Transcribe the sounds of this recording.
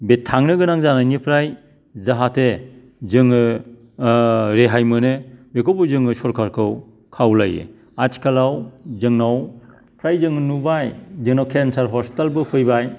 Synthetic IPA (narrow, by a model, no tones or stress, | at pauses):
betʰːaŋnɯɡɯnaŋzanajnipʰɾaj | zaɦatʰe | zɯŋɯ | ɾeɦajmɯnɯbekʰopɯzɯŋɯsɔɾkʰaɾkʰɯw | kʰawlajɯ̰ | atʰi̥kʰalawzɯŋnaw | pʰɾajzɯŋɯnubajzɯŋnawkʰensaɾɦɔɾstalbɯpʰɯjbaj